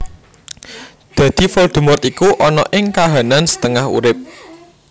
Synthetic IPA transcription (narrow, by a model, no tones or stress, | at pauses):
d̪̥ä̤d̪̥i̤fɔld̪̥ṳmʊrt̪ikuʔɔnɔ̰ʔɪŋkaɦanansə̥t̪əŋahṵɾɪp̚